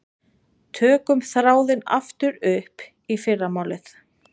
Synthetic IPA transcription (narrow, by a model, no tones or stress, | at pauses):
t̪ʰœːkʏmθɾaːwðɪna̰ft̪ʏɾʏhp | ifɪrːamaːwlɪθ